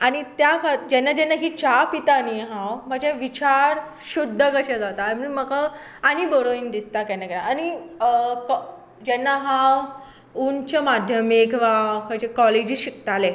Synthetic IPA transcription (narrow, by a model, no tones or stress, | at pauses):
añit̪jakʰad͡ʑɛnːad͡ʑɛnːaɦiːt͡ɕapit̪aniɦãwm̤aɡd͡ʑeʋit͡ɕaɾ | ɕud̪ʱːəkəɕẽd͡zat̪aməməka | anibəɽoind̪ist̪akɛnːakəɾaːni | k | d͡ʑɛnːaɦaw | unt͡ɕamad̪ʱjəmekʰʋakʰəjt͡ɕekɔled͡ʑiɕikt̪ale